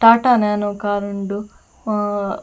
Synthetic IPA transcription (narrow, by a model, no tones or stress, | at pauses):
ʈaːʈaːneːnukaːɾuɳɖu